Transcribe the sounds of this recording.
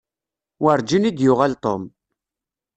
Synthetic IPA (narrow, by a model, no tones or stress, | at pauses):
wəɾd͡ʒinid̪jʊʁælt̪ˤom